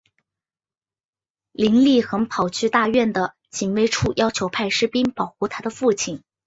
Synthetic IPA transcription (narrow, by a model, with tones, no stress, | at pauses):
li˧˥nli˥˩xə˧˥ŋpʰɑ˨˩ʊt͡ɕʰy˥˧t̪a˥˧ɥɛ˥˩nd̪ə˩ | t͡ɕi˨˩nwe˥ɪʈ͡ʂʰu˥˩jɑ˥ʊt͡ɕʰjo˧˥ʊpʰa˥˧ɪʂɻ̩˥˧pi˥npɑ˨˩ʊxu˥˧t̪ʰa˥d̪ə˨fu˥˩t͡ɕʰi˨˩n